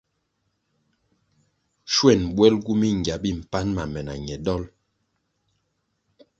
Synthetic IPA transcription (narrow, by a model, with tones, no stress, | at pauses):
ʃwɛ˦˨nbwɛ˦lɡu˦mi˦ŋ˨ɡja˨bi˦˨m̩˨pa˦nma˨mɛ˨na̰˨ɲɛ˨dɔ˦l